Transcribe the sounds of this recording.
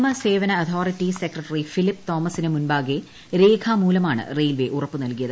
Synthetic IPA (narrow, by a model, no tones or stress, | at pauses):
mɐse̞ːʋɐnɐɐt̪ʰoːritːisekrɐʈːɐrifilipːt̪oːmɐsinɐmunbaːɡe | ɾeːkʰaːmuːlɐmaːɳɨ̰rejlʋeʔurɐpːɨnɐlkijɐðɨ